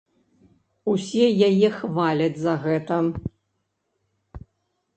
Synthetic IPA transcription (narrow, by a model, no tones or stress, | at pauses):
usʲɛjajɛxvalʲɐd͡zʲzɐɣɛt̪ɐ